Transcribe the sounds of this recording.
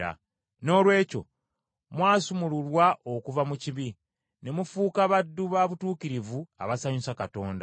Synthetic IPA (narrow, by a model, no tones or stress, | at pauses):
a̰ | no̞ːlwe̞ːco̞̰ | mwaːsumululwaʔo̞kuvamuciβi | ne̞mufuːkaβadːuβaβutuːkiɾivua̰βasaɲusakato̞ːnda